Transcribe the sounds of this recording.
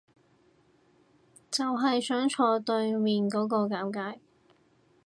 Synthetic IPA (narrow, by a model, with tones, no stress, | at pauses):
t͡sɐ˨wɦɐ˨jsœː˨˥ŋt͡sʰɔː˨˧t̪ɵ˧ɥmiː˨nkɔː˨˥kɔː˧kaː˨˥wkaː˧˥j